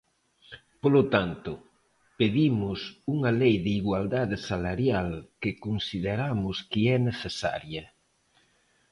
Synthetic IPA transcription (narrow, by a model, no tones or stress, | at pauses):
polot̪ant̪ʊ | peðimʊsuŋɐlejðɪiɣwald̪aðɪsalaɾjalkɪkonsiðeɾamʊskiɛneθesa̰ɾjɐ